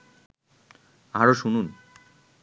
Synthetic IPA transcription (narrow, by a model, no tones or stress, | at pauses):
aɾoʃunun